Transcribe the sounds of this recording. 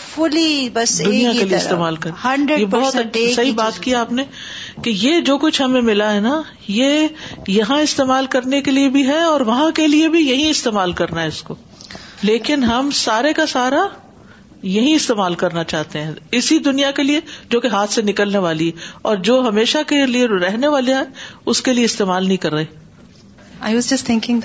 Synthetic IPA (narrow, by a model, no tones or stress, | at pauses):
fʊlibɐsd̪ʊnijakelieɪst̪eːmaːlkɐɾɐ̃ɳɖɾjebɔɦɔt̪ɐt͡ʃʰsɐɦibaːt̪kiaːpne | kejed͡ʒoːkʊt͡ʃʰɦɐmẽmɪlaɦɛna | jejɐɦãɪst̪eːmaːlkɐɾnekeliebʱiɦɛɔːɾʋɐɦãkeliebʱijɐɦĩɪst̪eːmaːlkɐɾnaɦɛɪsko | leːkɪnɦɐmsaːɾekasaːɾa | jɐɦĩɪst̪eːmaːlkɐɾnat͡ʃaːɦt̪eɦɛ̃ɪsid̪ʊnijakelied͡ʒoːkeɦaːt̪ʰsenɪkəlneʋaːliɦɛɔːɾd͡ʒoːɦɐmeːʃakelieɾɛɦneʋaːliaɦɛʊskelieɪst̪eːmaːlnɐɦĩkɐɾːɐɦeː | aɪwɔzd͡ʒɐst̪ʰɪ̃ŋkɪ̃ŋ